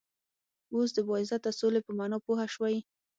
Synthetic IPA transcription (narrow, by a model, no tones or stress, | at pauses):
os̬d̪əbɑɪzat̪asolepəmɑnɑpohaʃwaj